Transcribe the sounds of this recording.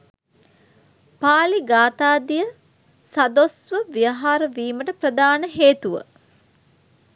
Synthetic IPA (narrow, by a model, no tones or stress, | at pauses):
paːliɡaːt̪aːd̪ijə | sad̪osʋəʋijəɦaːɾəʋiːməʈəprəd̪aːnəɦeːt̪uʋə̰